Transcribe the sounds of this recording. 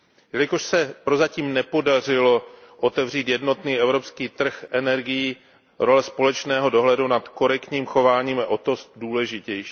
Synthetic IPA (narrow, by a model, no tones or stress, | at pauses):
jɛlɪkoʃsɛpɾo̞zaciːmnɛpo̞dar̝ɪlo̞ | ʔo̞t̪ɛvr̝iːt̪jɛdno̞t̪niːɛvɾo̞pskiːt̪r̩xʔɛnɛɾɡɪji | ɾo̞lɛspo̞lɛt͡ʃnɛːɦo̞do̞ɦlɛdunat̪ko̞ɾɛkt̪ɲiːmxovaːɲiːmaʔot̪osduːlɛʒɪcɛjʃ